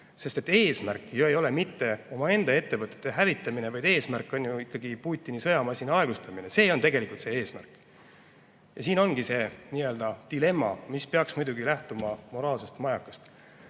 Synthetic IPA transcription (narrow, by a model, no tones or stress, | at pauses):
se̞st̪e̞t̪ːˑeːsmærkːˑejue̞jo̞le̞mit̪ːe̞o̞mɑe̞nd̪ɑe̞t̪ːe̞vɤt̪ːˑet̪ːˑeɦævit̪ːˑɑmine̞vɑjd̪̥e̞ːsmærkːˑo̞nʲjuikːɑɡ̥ipuːt̪ʲːˑinisɤjɑmɑsʲinɑɑe̞ɡ̥ust̪ɑminese̞ːo̞nt̪e̞ɡe̞likult̪se̞e̞ːsmæ̰rkˑ | jɑsiːno̞nɡ̥ise̞niːø̞ld̪̥ɑd̪̥ile̞mːɑ̰mispeɑksmujd̪uɡilæht̪umɑmo̞ɾɑːlse̞st̪mɑjɑkːˑɑ̥st̪